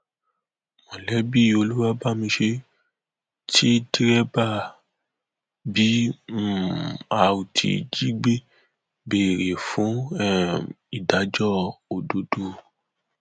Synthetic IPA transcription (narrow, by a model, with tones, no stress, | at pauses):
mɔ̃˨lɛ˨˦bi˦˨o˧lu˦wa˧ba˦˨mĩ˧ʃe˧ | ti˦di˦ɾɛ˦ba˦˨ | bi˨˦˨ | a˧u˨tʰḭ˨d͡ʒi˦ɡ͡be˦ | be˨ɾe˨fũ˨˦˨ | i˨da˨˦d͡ʒɔ˦˨o˨do˨˦do˧˨